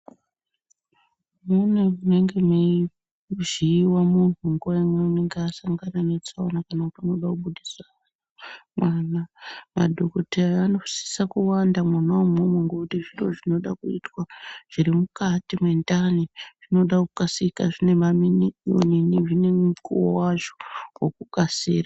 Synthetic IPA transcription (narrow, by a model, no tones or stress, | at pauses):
mune̞une̞ŋɡe̞me | ʐiːwamun̤uŋɡuwaemweuneŋɡeasaŋɡananet͡saonakanakutiano̞ɗakuɓuɗisaanamwaːnama̰dʱokoteano̞si̥sakuwandamwanawomomweŋɡokutiʐiroʐino̞ɗakuḭtwaʐ̥iɾimukatimwendaniʐ̥ino̞ɗakukasikaʐine̞mamino̰miniʐine̞mkuwo̰waʐo̥wokukasiːra